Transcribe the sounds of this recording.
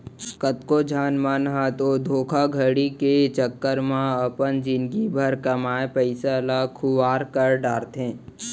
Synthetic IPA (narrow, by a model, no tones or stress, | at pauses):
kət̪kod͡ʒʱaːnmənɦat̪od̪ʱoːkʰaɡʱəɽiket͡ʃəkːəɾmãəpənd͡ʒɪnɡibʱɐɾkɐmaːepəɪsalakʰuaːɾkəɾɖaːɾt̪ẽː